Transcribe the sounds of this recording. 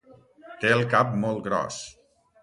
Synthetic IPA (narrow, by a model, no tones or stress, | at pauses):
t̪eəlˠkap̚mɔlˠt̪ɡɾɔ̰s